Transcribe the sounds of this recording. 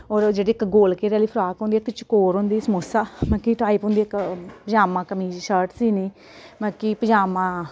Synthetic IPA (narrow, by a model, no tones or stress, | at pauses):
ɔːɾd͡ʒeːɽiːɪkɡoːlkeːɾɛaːliːpʰɾaːkõːnd̪iːkt͡ʃkoːɾɦõːnd̪iːsəmoːsaːmãːkiːʈaːiːpõːnd̪iːɪkpəd͡ʒaːmãːkəmiːʃəɾʈsiːniː | mãːkiːpəd͡ʒaːmãː